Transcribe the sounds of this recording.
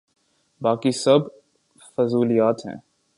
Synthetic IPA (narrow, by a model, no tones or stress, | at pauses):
baːkisɐb | fɐzuːlijaːt̪ɦɛ̰̃ː